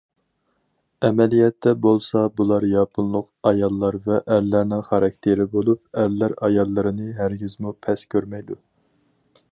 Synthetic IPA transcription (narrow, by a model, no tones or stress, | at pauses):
ɛmɛlijɛt̪ʰːɛbolˠsɑbulˠɑɾjɑpʰɨnlˠʊqɑjɑlˠːɑɾvɛʔːɾlæɾnɪŋχɑɾɑk̚ʲt̪ʰeɾɪbolˠup̚æɾlæɾɑjɑlˠːɨɾɨnɨɦæɾɡʲizmupʰɛskʲʰøɾmɛjd̪u